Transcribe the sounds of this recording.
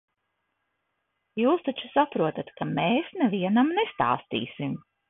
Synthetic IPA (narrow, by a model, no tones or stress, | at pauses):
juːst̪at͡ʃu̥sapɾuɔt̪at̪kameːsnɛviɛnamnest̪a̰ːst̪ḭːsim